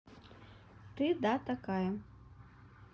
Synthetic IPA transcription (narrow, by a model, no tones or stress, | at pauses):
t̪ɨd̪at̪akajɐ